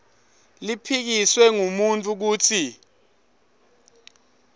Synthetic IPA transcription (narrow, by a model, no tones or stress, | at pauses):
lipʰik̬iswɛŋumuntʼuk̬uːtʰi